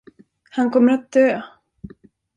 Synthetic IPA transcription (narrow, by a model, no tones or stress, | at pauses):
hankʰɔmːəɾat̪̚d̪øː